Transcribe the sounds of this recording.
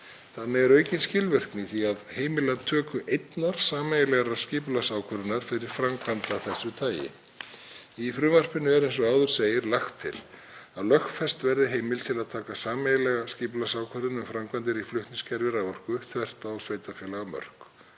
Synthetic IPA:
θanːɪɛɾœːɥcɪnscɪlvɛr̥knɪθiaðhejmɪlat̪ʰœːkʏʔejt̪naɾ̥saːmajɪlɛɣaɾḁscɪːplasaːwkʰœɾɪnaɾ̥fɪɾɪɾ̥fɾamkʰvant̪aθɛsːʏt̪ʰaːjɪ̰ | ifɾʏːvar̥pɪnːʏɛɾɛns̬ɔaːwðʏɾ̥seːjɪɾlaxt̪ʰːɪ̰l̥ | aðlœxfɛst̪vɛɾðɪɦeːjmɪlt̪ʰɪlaðt̪ʰaːkasaːmɛjɪlɛɣascɪːplasaːwkʰœɾðɪnʏmfɾamkvant̪ɪɾiflʏht̪nɪscɛɾvɪɾavɔr̥kʏθvɛr̥t̪asveːjt̪afjɛːlaɣamœ̰r̥k

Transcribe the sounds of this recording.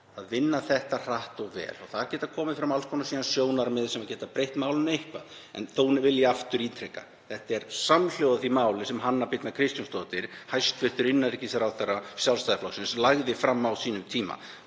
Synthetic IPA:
aðvɪnːaθɛht̪ar̥aht̪ɔɣvɛ̰ːlawθaðɾcɛːt̪aðkʰɔːmɪfɪɾamalskʰɔnasiːðansjoːwnaɾmɪðsɛmacɛːt̪apɾejht̪maːwlʏnejhkva̰ð | ɛ̰nθowvɪljaaft̪ʏɾiːt̪ʰɾɛka̰ | θɛht̪aɛɾ̥saml̥jowðaθimaːwlɪsɛmɦanːaɾpɪt̪nakʰɾɪst̪janst̪oːt̪ɪɾ̥hajst̪vɪr̥t̪ʏɾɪnːaðɾicːɪsɛɾawθerːasjalst̪ajðɪflɔksɪnslaɣðɪfɾamːawsiːnʏmt̪ʰiːma̰

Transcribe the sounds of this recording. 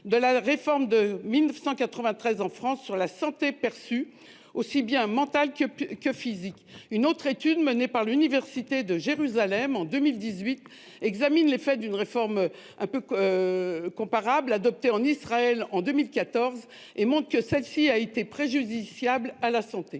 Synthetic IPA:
d̪əlaʁefɔʁmd̪əmilnəfsɑ̃kat̪χəvɛ̃t̪χɛzɑ̃fχɑ̃sːyʁlasɑ̃t̪epɛʁsy | osibjɛ̃mɑ̃t̪alkkəfizikynot̪χet̪yd̪mənepaʁlynivɛʁsit̪ed̪əʒeʁyzalɛmɑ̃d̪ømild̪izɥit̪ | ɛɡzaminlefɛd̪ynʁefɔʁm | ɛ̃pø | kɔ̃paʁablad̪ɔp̚t̪eɑ̃nisχaɛlɑ̃d̪ømilkat̪ɔʁz | emɔ̃t̪χkəsɛlsiaet̪epχeʒyd̪isjablalasɑ̃t̪e

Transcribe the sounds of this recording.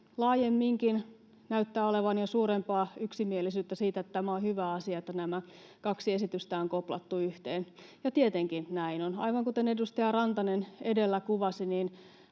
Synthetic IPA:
lɑːjemːiŋkin | næyt̪ːæːoleʋɑnjosuːɾempɑːyksimielisyːt̪ːæsiːt̪æet̪ːt̪æmæohyʋæːɑsiɑet̪ːænæmæ | kɑksiesit̪yst̪æoŋkoplɑ̰t̪ːuyht̪eːnjɑt̪iet̪eŋkinnæinonɑ̰iʋɑŋkut̪enedust̪ɑjɑrɑnt̪ɑnenedelːækuʋɑsiniːn

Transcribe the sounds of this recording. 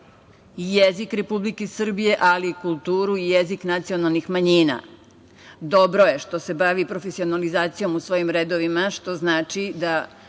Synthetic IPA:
ijezikɾe̞publikesr̩bije̞ʔalikulˠt̪uːɾuijeziknat̪sio̞nalˠnixmaɲiːna̰ | d̪o̞bɾoje̞ʃt̪o̞se̞baʋipɾo̞fesio̞nalizaːt̪sijo̞musʋo̞ːjimɾed̪oʋimaʃt̪o̞znaːt͡ʃid̪a

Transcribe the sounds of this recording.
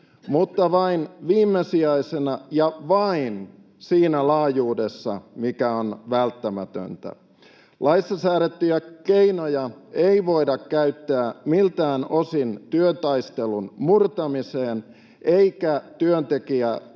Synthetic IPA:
mut̪ːɑʋɑinʋiːmːesiɑisenɑjɑʋɑin | siːnælɑːjuːde̞sːɑ̰mikæonʋælt̪ːæmæt̪ø̰nt̪æ̰ | lɑisːɑsæːɾet̪ːyjækeinojɑeiʋo̞idɑkkæyt̪ːæːmilt̪æːnosint̪yønt̪ɑist̪elunmurt̪ɑmiseːn | ʔe̞ikæt̪yønt̪e̞kiæ

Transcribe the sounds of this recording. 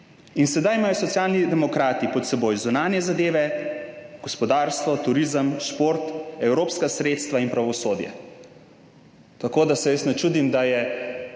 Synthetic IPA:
insɛd̪ajmaːjɔsɔt̪sjaːlnid̪ɛmɔkɾaːt̪ipɔt̪sɛboːjzunaːnjɛzad̪eːʋɛ | ɡ̥ɔspɔd̪aːɾst̪ʋɔt̪uɾiːzəmʃpoːɾt̪ɛwɾoːpskasɾeːt̪st̪ʋainpɾaʋɔsoːd̪jɛ̰ | t̪akoːd̪asɛjəsnɛt͡ʃuːd̪imd̪ajɛ

